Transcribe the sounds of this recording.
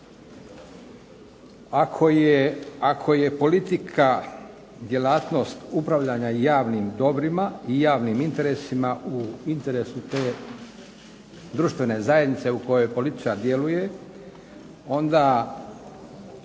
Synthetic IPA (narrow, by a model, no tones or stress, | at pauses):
akʰojeakʰo̞je̞po̞lit̪ikʰa | d̪je̞laːt̪no̞st̪upɾaʋʎaɲaijaːʋniːmd̪o̞bɾimaijaːʋniːmint̪e̞ɾesimauint̪e̞ɾe̞sut̪e̞ː | d̪ɾuʃt̪ʋe̞ne̞zajed̪nit̪se̞uko̞jo̞jpo̞lit̪i̥t͡ʃaɾd̪je̞luje̞ | o̞nd̪a